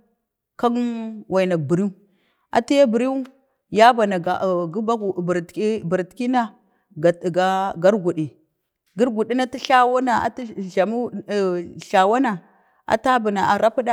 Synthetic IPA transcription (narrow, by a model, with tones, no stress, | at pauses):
ka˦nwʔa˨i˨na˨k̚bi˨ɾi˦u˦ | a̰˨ti˦ja˦bi˨ɾi˦u˦ | ja˦ba˨na˨ɡa˨ɡu˦ba˦ɡbɾi˦bi˨ɾtki˦na˦ | ɡa˨ɡa˦ɡa˦ɾɡu˨ɗi˨ | ɡi˦ɾɡu˨ɗi˦na˦ti˦ɬa˦wa˦na˨a̰˨ti˦ʒa˨mu˦˨ | ɬa˨wa˦na˨ | ʔa̰˨ta˦bu˨na˨a˨ɾa˦pi˦ɗa˦